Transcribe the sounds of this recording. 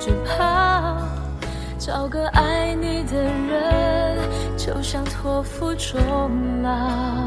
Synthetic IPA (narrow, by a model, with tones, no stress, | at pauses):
t͡ɕu˨˩pʰa˧˦ | ʈ͡ʂɑ˨˩ʊɡə˧ʔa˥ɪni˨˩d̪ə˨˩ɻə˧˦n | t͡ɕjo˧ʊɕjɑ˥ŋt̪ʰwɔ˧fu˧ʈ͡ʂɔ˨˥˦ŋ̩lə˧